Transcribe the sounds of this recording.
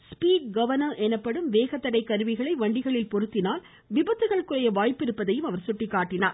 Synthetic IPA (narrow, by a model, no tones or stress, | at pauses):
spiːkɡɐʋɐnɐɾʔɛnɐpːɐɽɯmʋeːɣɐt̪ːɐɽɐɪkːɐɾɯʋɪɣɐɭɐɪʋɐɳɖɪɣɐɭɪlpɔɾɯt̪ːɪnaːl | ʋɪbɐt̪ːɯɣɐɭkːɯrɐjɐʋaːjpːɪɾɯpːɐðɐjɯmɐʋɐɾsʊʈːɪkːaːʈːɪnaːɾ